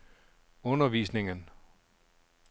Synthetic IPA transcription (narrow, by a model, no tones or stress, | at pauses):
ɔnɐʋiːsne̝ŋən